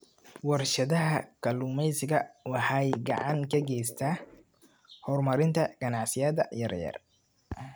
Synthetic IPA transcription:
wɑrʃɐðɐɦɐkʰɐluːmɛjsɪɣɐwɑħɑjɡɑ̰ʕɑŋkʰɐɡɛjst̪ʰa | hɔrmɐɾɪnt̪ʰɐɡ̥ɐnɑʕsɪjɐːðɐjɐ̰rjɐ̰r

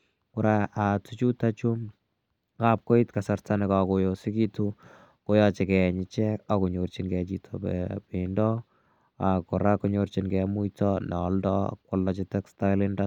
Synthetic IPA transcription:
kʊɾaatut͡ʃutat͡ʃu | kap̚koitkasartanɪkakojosɪkitu | kojɔt͡ʃɛkɛɲɪt͡ʃɛkakuɲort͡ʃinkɛt͡ʃitʰɔpɛ̰pɪndɔ | akɔɾakɔɲort͡ʃinkɛmujtɔnɔldɔ̰kwɔlːɔt͡ʃɪtɛkstaɪlɪnda

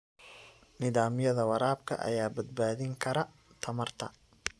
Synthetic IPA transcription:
nɪðaːmjɐðɐwɐɾaːbkʰɐ̰ʔɐ̰jaːbɐd̪̚baːðɪŋkʰɐɾɐ | t̪ʰɐmɐrt̪ʰɐ̰

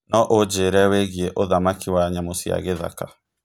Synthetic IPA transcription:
nɔʔod͡ʒeɾɛweɣieʔoðamakiwaɲamosia̰ɣeða̰ka

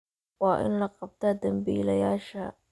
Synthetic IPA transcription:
wɑːʔɪ̰nlɐqɑb̚t̪ʰaːd̪ɐmbḭːlɐjaːʃɐ

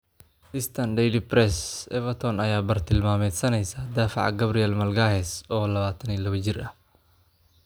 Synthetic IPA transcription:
ɪst̪ʰɐnd̪ɛjlipɾɛsɛvɐt̪ʰɔnɐjaːbɐrt̪ʰɪlmaːmɛːt̪sɐnɛjsaːd̪aːfɑ̰ʕɡɐbɾiɛlmɐlɡaːhɛsɔːlɐβaːt̪ʰɐniːlɐwɐd͡ʒɪrɐh

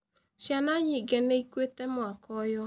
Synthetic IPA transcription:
ʃjanaɲiɡɛnɛikwetɛmwakɔjɔ

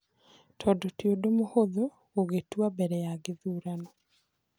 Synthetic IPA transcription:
tʰɔdɔtjodomohoðo | oɡetwabɛɾɛjaɡeðuːɾanɔ

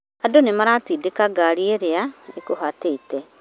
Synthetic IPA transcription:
adonemaɾatiːdekaɡaɾieɾeaekohateitɛ

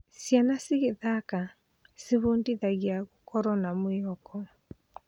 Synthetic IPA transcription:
sjanasiɣeðaka | seβondiðaɣiaɣokɔɾɔnamoeɔkɔ

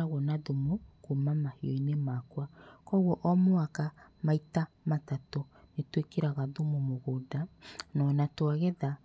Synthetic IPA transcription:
aɣwɔnaðomukumamaheɔinemakwakɔɣwɔʔɔmoakamaitamatatonetwekeɾaɣaðomomoɣodanɔnatwaɣɛða

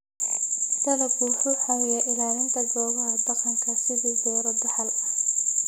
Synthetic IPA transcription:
t̪ɐlɐɡuħʊħajɛʔɪlaːlɪnt̪ʰɐɡɔːɣɐɦɐd̪ɐqɑŋkʰɐsɪðiːd̪ɔːɾɐd̪ɐħɐlɐ

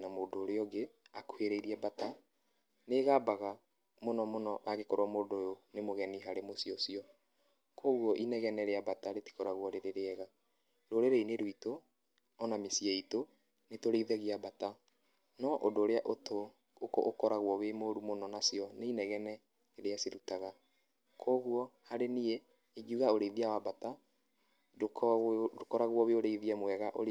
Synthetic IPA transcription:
namodoɾeɔɡeakweɾeiɾiɛbata | neːɣabaɣa | monɔmonɔwaɣekɔɾwamodojonemoɣɛniɦaɾemosjɔsiɔ | koɣwɔʔinɛɣɛnɛɾeabataɾeti̥kɔɾaɣwɔɾeɾeɾeɛɣa | ɾoɾeɾeineɾoito | ɔnamesiɛito | netoɾeiðɛɣiabata | nɔʔodoːɾeaʔoto | ko̰okɔɾaɣwɔwemoɾumonɔnasjɔneinɛɣɛnɛ | eɾeasiɾutaɣa | kʰoɣuɔhaɾenie | id͡ʒuɣaoɾeiðiawabata | okɔɾaɣwɔweoɾeiðiɛmwɛɣaʔoɾ

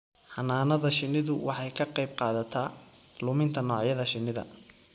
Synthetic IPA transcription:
hɐnaːnɐðɐʃɪnɪðʊwʔɑ̰ħɑjkʰɐqɑjb̚qɑːðɐt̪ʰaː | lʊmɪnt̪ʰɐnɔːʕjɐðɐʃɪnɪðɐ̰

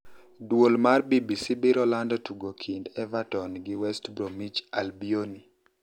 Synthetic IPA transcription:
dwolmarbibisibiɾɔlandɔtuɡokʰindɛvatɔnɡɪwɛstbɾomit͡ʃalbioni

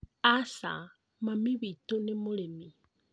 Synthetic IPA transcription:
asa̰ | mamiβitonemolemi

